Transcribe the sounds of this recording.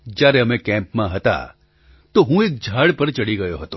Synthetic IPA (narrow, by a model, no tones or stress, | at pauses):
d͡ʒaːɾeɐmẽkɛ̃ːmpmãɦɐt̪a̰ | t̪oɦũeːk̚d͡ʒʱaːɽpəɾt͡ʃɐɽiɡɐjoɦɐt̪o